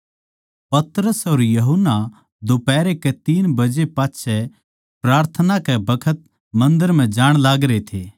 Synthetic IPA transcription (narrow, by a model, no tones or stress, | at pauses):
pɐt̪ɾəsoɾjɐɦʊnːa | d̪opɛːɾekɛt̪iːnbɐd͡ʒepaːtːʃʰɛ | pɾaːɾt̪ʰənakɛbɐkʰət̪̚ | mɐ̃nd̪əɾm̤ɛ̃d͡ʒaːɽ̃laːɡɾet̪ʰeː